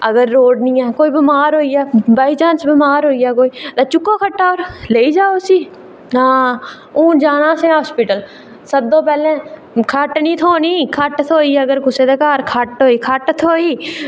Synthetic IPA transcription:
əɡəɾːoːɖnĩːɛːkoːiːbɪmaːɾɦoːiɛːbaːiːd͡ʒãːnsbɪmaːɾɦoːiɛːk̬oːiːt̪aːt͡ʃʊkːoːkʰəʈːaːoːɾleːid͡ʒaːosiː | ɦãː | ũːd͡ʒaːnãːsẽɦaːspɪʈəl | səb̚d̪õːpɛːlẽː | kʰəʈnĩːt̪ʰoːnĩːkʰəʈt̪ʰoːiːəɡəɾkʊseːd̪ekaːɾkʰəʈɦoːiːkʰəʈt̪ʰoːiː

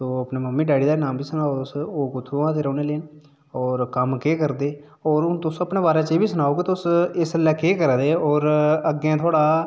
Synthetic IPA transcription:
soːəpneːməmːiːɖɛːɽiːd̪aːnaːmbʱiːsʊnaːoʊsoːkʊt̪ʰːoãːt̪eːɾəːneːleːn | ɔːɾkəmkeːkəɾd̪eː | ɔːɾʊnt̪ʊsəpɳeːbaːɾeːt͡ʃeːbiːsʊnaːoːket̪ʊsɪsəlːɛːkeːkəɾd̪eːɔːɾəɡẽːt̪ʰoaːɽaː

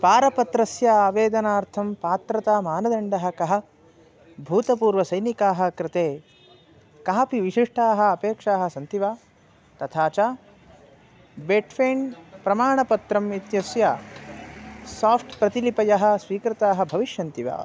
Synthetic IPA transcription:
paːɾɐpɐt̪ɾɐsjɐaːʋeːd̪ɐnaːɾt̪ʰɐmpaːt̪ɾɐt̪aːmaːnɐd̪ɐɳɖɐɦɐ̆kɐɦɐ̆ | bʱuːt̪ɐpuːɾʋɐsɐjnikaːɦɐ̆kɾɪt̪eː | kaːpiʋiʂiʂʈaːɦɐ̆ɐpeːkʂaːɦɐsɐnt̪iʋaː | t̪ɐt̪ʰaːt͡ʃaː | beːʈfʰeːɳpɾɐmaːɳɐpɐt̪ɾɐmit̪jɐsja | saːpʰʈpɾɐt̪ilipɐjɐɦɐ̆sʋiːkɾɪt̪aːɦɐbʱɐʋiʃjɐnt̪iʋa̰ː

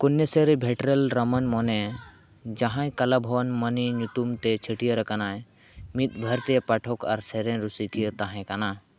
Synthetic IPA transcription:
kunːeseɾebʱɛʈɾelɾəmənmɔnɛ | d͡ʒaɦãjkɐlabʱɔwnməniɲuʈumt̪ɛt͡ʃʰəʈijəɾəkanaj | mit̪̚bʱəɾt̪ɛpaʈʰɔkʰa̰ɾsɛɾɛ̃ɾusikijət̪aɦɛ̃kana

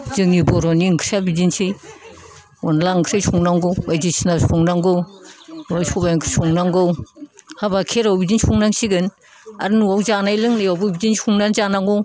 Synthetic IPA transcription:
zɯŋnibɔɾɔniŋkʰɾabidinsʰɯj | ɔnlaŋkʰɾajsʰuŋnaŋɡɯwwajzisinasuŋnaŋɡɯwnawsʰɔbajŋkʰɯsuŋnaŋɡɯwhabakʰeɾawbidinsuŋnaŋsiɡɯn | a̰ɾnuwawzanajlɯŋnajawbɯbidinsuŋnanzanaŋɡɯw

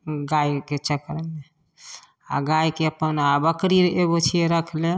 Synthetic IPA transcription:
ɡaiket͡ʃəkɾəle | a̰ɡajkeəpənabəkɾiɾeɡot͡ʃʰieɾəkʰle

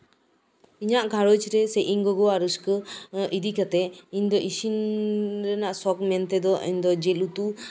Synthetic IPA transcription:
iɲaʔkaɾɔt͡ʃɾɛsɛʔiŋɡɔɡɔaɾɯskɯid̪ikat̪ɛiɲd̪ɔʔisinɾɛnaʔsɔkmɛnt̪ɛd̪ɔʔḭɲd̪ɔd͡ʒɛlut̪u

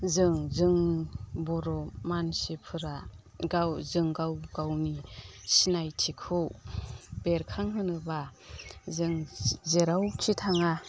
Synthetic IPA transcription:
zɯŋzɯŋbɔɾɔmansipʰɯɾa | ɡawzɯŋɡawɡawnisinajtʰikʰuw | b̥eɾkʰaŋɦɯnɯba | zɯŋzeɾawkʰitʰaŋa

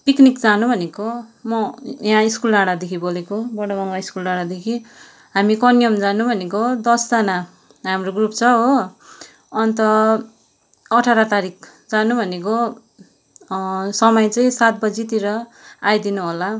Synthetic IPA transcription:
piknikd͡zanubʱʌnekomʌjãiskulaɽad̪ekʰibolekobʌɽʌbʌŋɡaiskulaɽad̪ekʰi | ɦamikʌnjʌmd͡zanubʱʌnekod̪ʌsd͡zʌna | ɦamroɡrupt͡sʰʌɦo | ʌnt̪ʌ | ʌʈʰaɾʌt̪aɾik̚ʰ | d͡zanubʱʌnek̬o | sʌmʌjt͡sʌĩsat̪̚bʌd͡zit̪iɾʌajd̪inuɦola

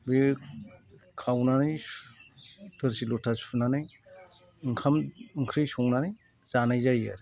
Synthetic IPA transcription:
be | kʰawnanɯj | tʰɯɾsilɔtʰasunanɯj | ɯŋkʰamɯŋkʰɾɯjsɔŋnanɯj | z̥anajzaja̰ɾ

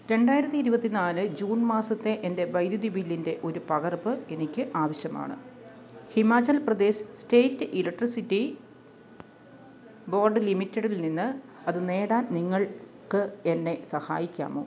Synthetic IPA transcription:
ɾe̞ɳɖaːjiɾɐt̪ːiiɾubɐt̪ːinaːlɨd͡ʑuːnmaːsɐt̪ːe̞ʔende̞ʋɐjd̪jud̪ibilːinde̞ʔo̞ɾupɐɣɐrbɨe̞nikʲːɨʔaːʋɐɕjɐma̰ːɳɨ̰ | himaːt͡ɕːɐlprɐd̪e̞ːsste̞ːtːɨʔilɐkʈrisitːi | bo̞ːrɖɨlimitːeɽilninːɨ | ɐðɨne̞ːɽaːnniŋːɐɭ | kɨe̞nːe̞sɐha̰ːjikʲːa̰ːmo̞̰ː

